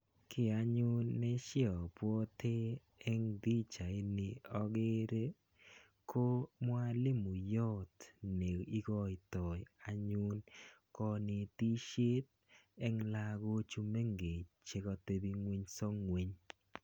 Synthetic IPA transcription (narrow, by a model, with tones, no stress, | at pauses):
kɪ˦a˦ɲʊ˦nːɛ˦ʃɪ˦ɔ˨pwɔ˦t̪ʰe˦ | ɛ˦ŋd̪i˦t͡ʃa˨e˦nɪ˨ɔ˦ɡe˦ɾe˦ | kʰo˦mwa˦lɪ˦mu˨jɔ˦tne˨i˦ɡɔ˦ɪ˨tɔ˨ja˨ɲʊ˦nkɔ˦nɪ˨t̪i˦ʃe˦t̚ | ɛ˦ŋla˦˧ɡo˦t͡ʃu˦me˦ŋɡe˨t͡ʃe˦kɔ˧te˦bi˦ŋwi˦ɲsɔ˦ŋwe˨ɲ